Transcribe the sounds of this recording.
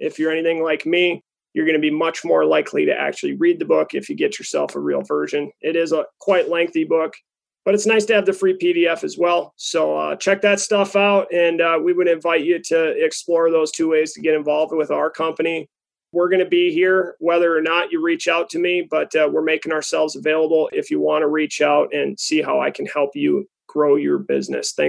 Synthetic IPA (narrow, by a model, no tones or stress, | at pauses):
ʔɪfjə˞ɛñiθɪ̃ŋlaɪkmi | jə˞ɡʌnɨbimʌt͡ʃmɔɹlaɪkʰlḭɾɨ̰ʔæ̰k̚t͡ʃʉl̩ˠiɹid̪̚ðɨbʊkɨfjɨɡɛt͡ʃə˞sɛ̰lˠfəɹḭlˠvɜ˞ʒɨ̃nɪɾɪzəkʰw̥aɪʔˡlɛ̃ŋk̚θibʊk | b̥ʌɾɨtsnaɪstʰɨːvðɨfɹipiɾiɛfɨzwɛlˠsoʊʌ̰t͡ʃʰɛk̚ðɨtstʌfaʊɾ̚ɨ̃nʌwiwɨdɾɨ̃ɱvaɪt͡ʃɨɾɨɛksplɔɹðoʊz̥tʰʉweɪz̥tʰɨɡɛɾɨ̃ɱvɑlˠvd̚wɨðaʊə˞kʰʌ̃mpɨni | wɪɹɡʌñɨbiɦiɹwɛðə˞ːnət͡ʃɨɹit͡ʃaʊtʰɨmibʌtwɪɹmeɪkɪ̃ŋəə˞sɛlˠvzəveɪlˠəbl̩ˠɪfjɨwɑ̃nəɹit͡ʃaʊɾɨ̃nsiɦaʊa̰ɪkʰɨ̃n̩hɛlˠpjɨ | ɡ̥ɹoʊjə˞bɪ̰znɨ̰sθæ̃ŋ